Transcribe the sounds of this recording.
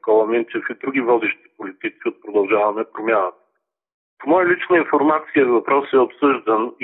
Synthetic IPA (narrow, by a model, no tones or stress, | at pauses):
kolˠɐmint͡ʃɛfid̪ɾuɡʲivɔd̪ɛʃt̪i̥polit̪it̪siot̪̚pɾod̪ɐlˠʒavɐmɛpɾomjanət̪ə̥ | pomɔjəlit͡ʃnəinfoɾmat̪sijəvɐpɾɔsɛopsɤʒd̪əni